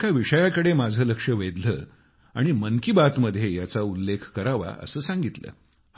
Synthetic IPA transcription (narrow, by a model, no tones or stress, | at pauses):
kaʋiʂəjakəɽemad͡zʱəːləkʂəʋed̪lə̰ː | aɽ̃imənkibat̪məd̪ʱːjejat͡saulːekʰkəɾaʋa̰ʔə̰səːsãŋɡit̪lə̰ː